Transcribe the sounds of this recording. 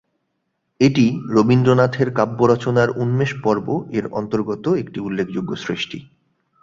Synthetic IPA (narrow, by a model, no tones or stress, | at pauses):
eʈiɾobind̪ɾonat̪ʰeɾkabːoɾɔt͡ɕonaɾunmeʃpɔɾboeɾɔ̰nt̪oɾɡot̪oek̚ʈiulːek̚ʰd͡ʑoɡːosɾeʃʈḭ